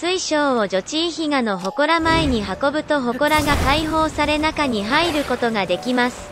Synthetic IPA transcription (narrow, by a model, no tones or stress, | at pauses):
t͡sɨiɕo̞ːoʑo̞t͡ɕiːçiɡano̞ɦo̞ko̞ɾamaeɲ̟iɦako̞bɯ̟t̪o̞ɦo̞ko̞ɾaɡakaiɦo̞ːsaɾe̞nakaɲ̟iɦaiɾɯ̟ko̞t̪o̞ɡad̪e̞kʲimasɨ̥